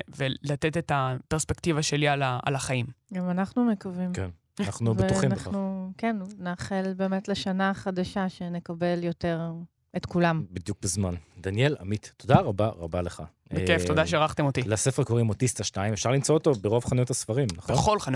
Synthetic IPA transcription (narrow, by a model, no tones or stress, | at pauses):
velat̪etetapeʁspe̞kt̪ivaʃe̞lialaa̰laχaimɡamanaχnumekavimken | naχnubetuχĩmnaχnukennaːχelbe̞ːmetleʃanaχadaʃaʃe̞ne̞kabeljo̞te̞ʁ | etkulambid̪juk̚bezmand̪anjela̰mit̪ːod̪aʁabaʁabaleχa̰ | bekeft̪o̞daʃeʁaχt̪emo̞t̪ilasefeʁkoʁimot̪ist̪aʃtaimefʃaʁlimt͡soot̪o̞beʁovχanjut̪asfaʁimnaχbeχo̞lχan